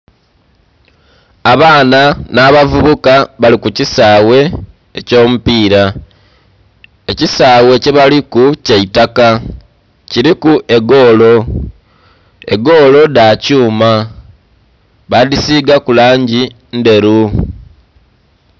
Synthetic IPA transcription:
aβaːnanaβavuβukaβalikucisaːwe̞ː | co̞ːmupiːɾa | e̞cisaːwe̞ceβalikuceitaka | ciɾikuʔe̞ɡo̞ːlo̞ | e̞̰ɡo̞ːlo̞dacuːma | βadisiːɡakulaːɲɟi | nde̞ɾu

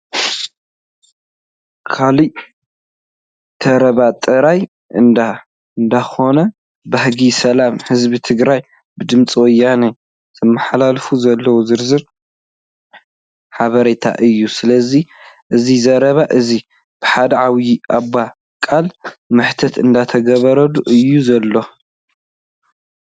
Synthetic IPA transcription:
kʰali | t̪ʰɐɾɐβat̪ʼɨɾaj | ɨnd̪a | ɨnd̪axo̞nɐ | bɐhɡisɐlamhɨzβit̪ʰɨɡɾaj | bɨd̪ɨmt͡sʼiwɔjːane | z̥ɨmːɨħalalfuzɐlːɐwozɨɾzɨɾ | ħaβɐɾet̪ʰa̰ʔɨjːusɨlɐziʔɨzizɐɾɐβaʔɨzi | b̥ɨħad̪ɐʕawiʔaba | kʼalmɨħt̪ʰɐt̪ɨnd̪at̪ʰɐɡɐβɐɾɐd̪uʔɨjːuzɐlːo̞

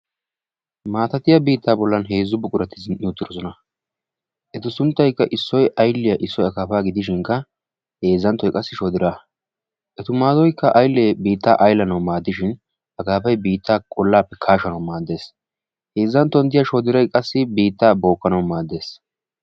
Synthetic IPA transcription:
maːt̪ɐt̪ɪjɐbiːt̪ːaːbɔlːɐnɦe̞ːzːʊbʊkʼʊɾɐt̪ːɪzɪnnuːt̪ːɪɾɔsɔnɐ | ʔɛt̪ɪsʊnt̪ːɐjkːɐʔɪsːɔjʔɐjlːɪjɐʔɪsːɔjɐkaːfaːɡɪd̪ɪʃ̬ɪŋkːɐ | he̞ːzːɐnt̪ːɔjkʼɐsːɪʃɔd̪ɪɾa | ʔɛt̪ʊmaːd̪ɔjkːɐʔɐjlɛbiːt̪ːa̰ːʔɐjlɐnɐwmaːd̪ːɪʃɪn | ɐkaːpɐjbiːt̪ʰːaːkʼɔlːaːpːɛkʰaːʃɐnɐwmaːd̪ːe̞ːs | he̞ːzːɐnt̪ːɔnd̪ɪjɐʃɔd̪ɪɾɐjkʼɐsːɪbiːt̪ːaːbo̞ːkːɐnɐwmaːd̪ːe̞ːs

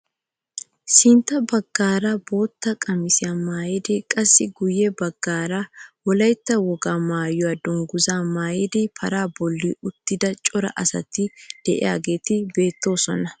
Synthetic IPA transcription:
sɪnt̪ːɐbɐɡ̥ːaːɾɐbo̞ːt̪ːɐkʼɐmɪsɪjaːmaːjɛd̪ɛkʼɐsːɪɡʊjːɛbɐɡ̥ːaːɾawɔlɐjt̪ːɐwɔɡaːmaːjɔwaːd̪ɔŋɡʊzaːmaːjɛd̪ɪpʰɐɾaːbɔlːɪʊt̪ːɪd̪ɐt͡ʃʼɔɾɐ̰ʔɐsɐ̰t̪ɪd̪̥ɛʔɪ̰ja̰ːɡe̞ːt̪ɪbe̞ːt̪ːo̞ːsɔnɐ

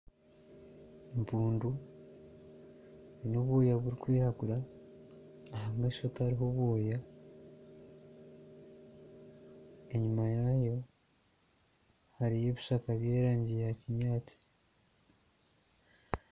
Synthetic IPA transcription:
mpuːndu | ninoβwoːjaβuɾikwiːɾaɡuɾa | hammeʃothaɾiɦo̞βwoːja | e̞ɲumajaːjo̞ | haɾije̞βiʃakaβje̞ːɾaːɲɟijeaciɲaːti̥

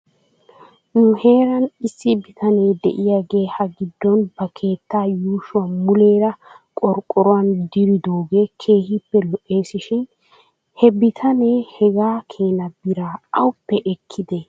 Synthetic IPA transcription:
nʊhe̞ːɾɐnɪsːɪbɪt̪ɐne̞ːd̪ɛ̰ʔɪjaːɡe̞ːhɐɡɪd̪ːɔnbɐkʰe̞ːt̪ːaːjuːʃʊwamʊle̞ːɾɐkʼɔɾkʼːɔɾɔwand̪ɪɾɪd̪o̞ːɡe̞ːkʰe̞ːhɪpːɛlɔʔe̞ːsɪʃɪn | hɛbɪt̪ʰɐne̞ːhɛɡaːkʰe̞ːnɐbɪɾaːɐwʊpːɛʔɛkʰːɪd̪e

